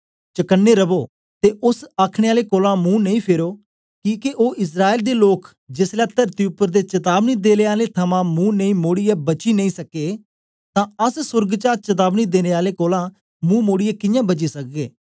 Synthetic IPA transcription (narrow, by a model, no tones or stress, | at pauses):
t͡ʃəkənːeːɾəboː | t̪eːʔʊsaːkʰɽ̃eːaːleːkoːlãːmũːnəĩːpʰeːɾoː | kiːkeʔoːʔɪs̬ɾaːeːld̪eːloːk | d͡ʒɪslɛːt̪əɾt̪iːʊpːəɾd̪eːt͡ʃət̪aːbniːd̪eːleːaːlet̪ʰəmãːmũːnəĩːmoːɽɪjaːbət͡ʃiːnəĩːsəkeː | t̪ãːəssʊɾɡt͡ʃaːɾt͡ʃət̪̬aːbniːd̪eːneːaːleːkoːlãː | mũːmoːɽijaːkɪjãːbət͡ʃiːsək̚ɡeː